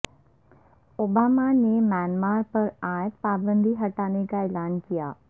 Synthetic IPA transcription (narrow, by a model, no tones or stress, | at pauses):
oːbaːmanemɛːnmaːɾpɐɾãːpaːbə̃nd̪ʱiɦɐʈaːnekaeːlaːnkijaː